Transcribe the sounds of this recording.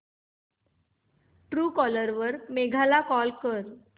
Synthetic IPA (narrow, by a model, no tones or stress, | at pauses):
ʈɾuːkɔləɾʋəɾmeɡʱalakɔlkəɾ